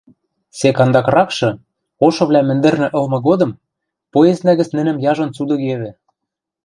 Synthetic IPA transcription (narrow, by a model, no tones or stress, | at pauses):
sekɑnd̪ɑkrɑkʃɤ̆ | oʃɤ̆βlʲæmɘ̆nd̪ɘ̆rnɘ̆ʔɤ̆lmɤ̆ɣod̪ɤ̆m | poeznæɣɘ̆t͡snɘ̆nɘ̆mjɑʒɤ̆nt͡sud̪ɤ̆keβɘ̆